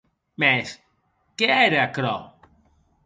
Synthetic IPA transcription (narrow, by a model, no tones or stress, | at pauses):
mes | keeɾeakɾo̰